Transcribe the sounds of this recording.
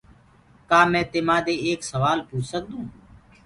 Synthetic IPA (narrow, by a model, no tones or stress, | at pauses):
kaːmɛ̃ːt̪eːmãːd̪eːeːksəʋaːlpuːt͡ʃʰsək̚d̪ũː